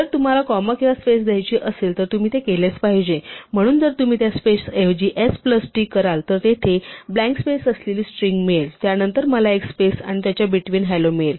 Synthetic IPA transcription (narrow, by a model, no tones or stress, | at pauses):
əɾt̪um̤alakɔməkiʋaspesd̪ʱjajt͡ɕiːʔəselt̪əɾt̪um̤iːt̪ekelet͡spaɦid͡ʑem̤əɽ̃uːnd͡zəɾt̪um̤iːt̪jaspesefd͡ʑiːʔespləsʈiːkəɾalt̪əɾt̪et̪ʰeblæ̃ŋkspesəsleliːsʈɾiŋɡmelt̪janənt̪əɾməlaekspesa̰ɽ̃it̪jat͡ɕjabiʈʋiːnɦɛjlomel